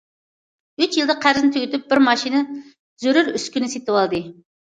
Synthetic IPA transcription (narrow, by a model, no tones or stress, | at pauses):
yt͡ʃjilˠd̪ɨqʰæɾzɪnɪt̪ʰyɡʲɪt̪yp̚bɪɾmɑʃinɨ | zøɾyɾyskʲynɪset̪ɪwɑlˠd̪ɨ